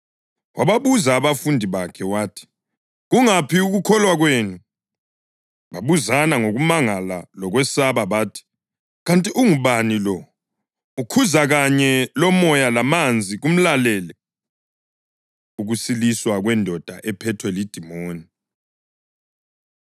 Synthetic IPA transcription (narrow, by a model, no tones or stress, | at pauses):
wʔaβaβuzaːβafundʱiβakʰɛwaːtʰi̥ | ɣuŋapʰiuɣukʰɔlwaɣweːnu | βaβuzanaŋoɣumaŋalalɔɣwɛsaβaβaːtʰi̥ | ɣantʼiʔuŋuβanilɔ | ukʰuzaɣaɲɛlɔmɔjalamand͡zʱiɣum̩lalɛːlɛ | uɣusiliswaɣwɛndʱɔd̥ʱa̰ʔɛpʰɛtʰwɛlid̥ʱimoːni